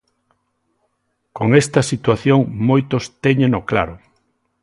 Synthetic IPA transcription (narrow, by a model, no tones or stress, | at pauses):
koŋest̪ɐsit̪waθjoŋmojt̪ost̪eɲenokla̰ɾo